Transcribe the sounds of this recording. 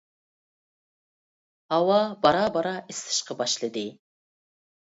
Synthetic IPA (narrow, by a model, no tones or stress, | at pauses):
hɑwɑbɑɾɑbɑɾɑʔɪst̪ɨ̥ʃqɑbɑʃlˠɨd̪ɪ